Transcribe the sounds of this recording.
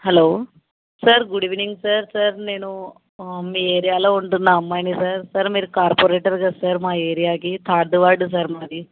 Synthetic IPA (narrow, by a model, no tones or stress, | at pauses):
hɛloː | sɐɾɡuɽiʋiniŋɡsɐɾsɐɾneːnu | miːeːɾijaːlooɳʈunːaɐmːaːjnisɐɾsɐɾmiːɾkaːɾpoːɾeːʈɐɾɡɐsɐɾmaːeːɾijaːɡit̪ʰaːɾd̪uʋaːɾɖs̬ɐɾmaːd̪i